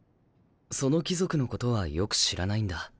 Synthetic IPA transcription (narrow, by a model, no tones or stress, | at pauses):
so̞no̞kʲizo̞kɯ̟no̞ko̞t̪o̞βajo̞kɯ̟̥ɕiɾanaĩnd̪a